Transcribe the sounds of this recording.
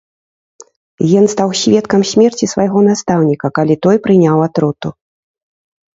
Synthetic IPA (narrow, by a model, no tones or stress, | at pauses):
jɔnst̪awsʲvʲɛt̪kɐmsʲmʲɛrt͡sʲisvajɣɔnast̪awnʲikɐkalʲit̪ɔjpɾɨnʲawat̪ɾut̪u